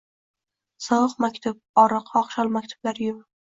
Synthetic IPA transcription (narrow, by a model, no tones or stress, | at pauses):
sɒwɨqmakʲt̪ʰʊp̚ɒɾɨqɒχʃɒlˠmakʲt̪ʰʊ̥b̥laɾjʊm